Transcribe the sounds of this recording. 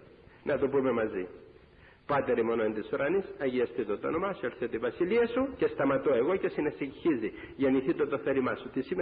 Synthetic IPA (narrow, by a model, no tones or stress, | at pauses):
nʔɐt̪upume̞mɐzi | pɐt̪e̞ɾimonoent̪isuɾʔɐnisɐʝiɐst̪it̪ot̪o̰nomɐsueɾθit̪eivɐsiliɐsuce̞st̪ɐmɐt̪oe̞ɣo̞ce̞sineseciçiziʝɐniθit̪ot̪oθelimɐsut̪isime